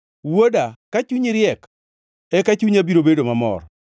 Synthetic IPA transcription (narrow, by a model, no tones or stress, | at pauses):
wodakat͡ʃuɲiɾjɛk | ɛkat͡ʃuɲabiɾobedomamɔ̰r